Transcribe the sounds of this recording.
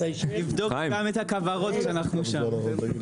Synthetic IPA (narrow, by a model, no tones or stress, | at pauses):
ivd̪okɡamethakavaʁo̞t̪ʃeanaχnuʃa